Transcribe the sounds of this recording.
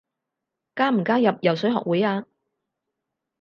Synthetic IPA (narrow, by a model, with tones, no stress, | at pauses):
kaː˥m̩˨˩kaː˥jɐ˨p̚jɐ˨˩wsɵ˨˥jɦɔ̰ː˨k̚wuː˨˥jaː˧